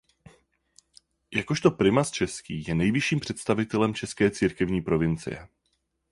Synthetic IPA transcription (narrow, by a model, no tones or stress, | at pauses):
jakoʃt̪o̞pɾɪmast͡ʃɛskḭːjɛnɛjvɪʃiːmpr̝̥ɛt̪st̪avɪt̪ɛlɛmt͡ʃɛskɛːt͡siːɾkɛvɲiːpɾo̞vɪnt͡sɪ̰jɛ̰